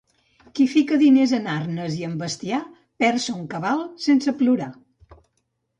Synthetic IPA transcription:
kifikəðinezənarnəziəmbəst̪ia | pɛɾsəuŋkəβalˠsensəpluɾa

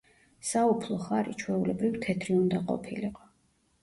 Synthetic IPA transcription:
saupʰlˠɔχaɾḭt͡ʃʰwɛulɛbɾivt̪ʰɛt̪ʰɾiund̪aqʼɔ̰pʰiliqʼɔ̥

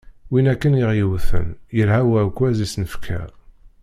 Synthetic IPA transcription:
winækːənjəʁjəwθə̰njəɾhæwækʷːæzisnəfkʰæ̰

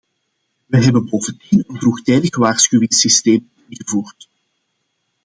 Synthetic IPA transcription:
ʋəɦɛbənboːvəndinənvruxtɛːdəɣʋaːrsxywɪŋsisteːm | ɪnɣəvuːrt

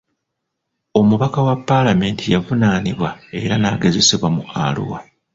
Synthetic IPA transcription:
o̞muβakawapːalame̞ːntʰijavunaːniβwae̞ɾanaːɡe̞ze̞se̞βwamua̰lṵwa

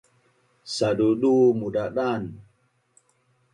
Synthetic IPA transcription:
saduɗumudaɗan

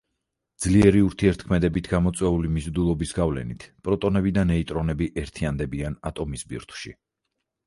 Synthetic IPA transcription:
d̪zliɛɾiuɾt̪ʰiɛɾt̪ʰkʰmɛd̪ɛbit̪ʰɡamɔt̪sʼwɛulimizɾd̪ulˠɔbisɡavlɛ̰nit̪ʰpʼɾɔt̪ʼɔnɛbid̪anɛit̪ʼɾɔnɛbiʔɛɾt̪ʰiand̪ɛbiana̰t̪ʼɔmisbḭɾt̪ʰw̥ʃḭ

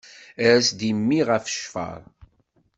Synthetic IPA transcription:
æɾæsd̪imːiʁəfʃfə̰ɾˤ

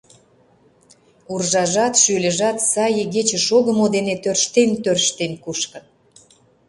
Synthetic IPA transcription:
urʒɑʒɑt̪ʃylʲə̆ʒɑt̪sɑjəɣet͡ɕə̆ʃoɣə̆mod̪enet̪ørʃt̪ent̪ørʃt̪enkuʃkə̆n

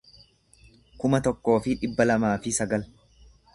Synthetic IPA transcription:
kʊmɐt̪ɔkːo̞ːfɪᶑɪbːɐlɐmaːfɪsɐɡɐl

